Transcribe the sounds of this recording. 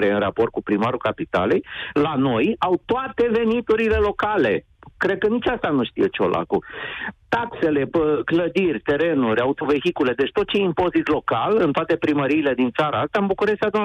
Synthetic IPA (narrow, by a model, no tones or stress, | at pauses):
ɾeɨnrapo̞rt̪̚kupɾimaɾukapit̪a̰lejlano̞jawt̪oat̪e̞ve̞nit̪uɾile̞lo̞kale̞̰ | kɾe̞d̪̚kənit͡ʃast̪anuʃt̪ḭjet͡ʃeo̞̰lʔa̰kut̪akse̞le̞əkləd̪irʲt̪e̞ɾe̞nuɾʲawut̪ove̞xikule̞d̪e̞t͡ʃʲt̪ot̪̚t͡ʃe̞jimpo̞zit̪lo̞kalɨnt̪oat̪e̞pɾiməɾiːle̞d̪int̪saɾaast̪ambukuɾest̪ead̪un